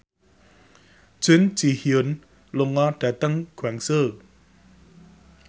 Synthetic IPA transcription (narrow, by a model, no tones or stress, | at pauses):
ʒ̥ʊnd͡ʒ̥ihiʊn | lʊŋɔɖ̥ä̤t̪əŋɡ̥waŋsə